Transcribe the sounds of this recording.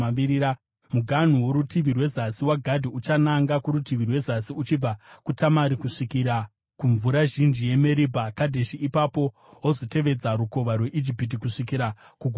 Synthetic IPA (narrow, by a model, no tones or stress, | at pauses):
aiiɾa | muɡʱan̤uwoɾutiʋirwe̞zasiwaɡʱadʱiut͡ʃanaŋɡakuɾutiʋirwe̞zasiut͡ʃib͡vakutamaɾikuʂikiɾa | kuɱvuɾaʒind͡ʒije̞me̞ɾibʱakadʱeʃiipapo̞ | ozo̞te̞ʋe̞d͡zaɾuko̞ʋarwe̞ʔid͡ʒipit̬ikuʂikiɾa | kuɡʱ